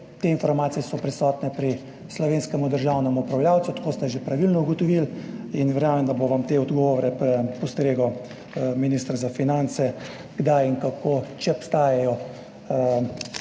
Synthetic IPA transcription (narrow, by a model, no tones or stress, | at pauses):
t̪eːinfɔɾmaːt̪sijɛsɔpɾɛsɔːt̪nɛpɾi | slɔʋeːnskɛmud̪əɾʒawnɛmuupɾawljaːwt̪sut̪ḁkoːst̪ɛʒepɾaʋilnɔuɡɔt̪ɔʋilinʋɛɾjaːmɛmd̪aboʋamt̪eːɔd̪ɡɔʋɔɾɛpɾɛpɔst̪ɾeːɡɔ | minist̪ɾazafinansɛ | ɡ̥d̪ajiŋkakot͡ʃɛɔpst̪aːjɛjɔ